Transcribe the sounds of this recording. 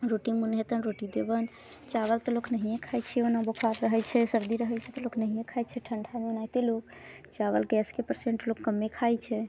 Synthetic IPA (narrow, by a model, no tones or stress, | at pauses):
ɾoʈimunɦet̪ənɾoʈid̪ebən | t͡ʃaβəlt̪ɔloknəɦijẽkʰajt͡ʃʰɛonabokʰaɾɾəɦət͡ʃʰɛsəɾd̪iɾəɦəjt͡ʃʰɛt̪ɔloknəɦijẽkʰajt͡ʃʰɛʈʰəɳɖʰʱameunajt̪elok | t͡ʃaβəlɡɛskepəɾseɳʈlokːəmːekʰajt͡ʃʰɛ